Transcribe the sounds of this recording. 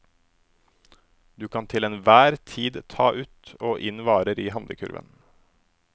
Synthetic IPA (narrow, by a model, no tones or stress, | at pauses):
d̪ʉːkʰɑnt̪ʰɪleːnʋæːɾt̪ʰiːd̪t̪ʰɑːʔʉːt̪oːʔɪnʋɑːɾəɾiːhɑnd̪ə̰kʰʉ̰ɾʋə̰n